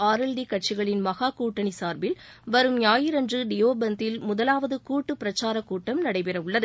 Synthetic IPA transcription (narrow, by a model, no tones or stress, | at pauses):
aːɾɐlɖikɐʈ̚t͡ʃɪɣɐɭɪnmɐɣaːkuːʈːɐnisaːɾbɪlʋɐɾɯmjaːjɪɾɐndrɯɖɪjoːbɐnt̪ɪlmʊðɐlaːʋɐðɯkuːʈːɯpɪɾɐt͡ʃaːɾɐkːuːʈːɐmnɐɽɐɪpɪɾɐʋɯɭːɐðɯ